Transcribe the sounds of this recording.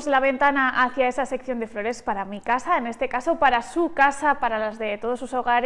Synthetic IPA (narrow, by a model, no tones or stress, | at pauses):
zlaβ̞e̞nt̪anaʔaθjae̞sasekθjo̞nd̪e̞flo̞ɾe̞spaɾamikasaene̞st̪e̞kaso̞paɾasukasapaɾalazðe̞t̪o̞ð̞osuso̞ɣaɾ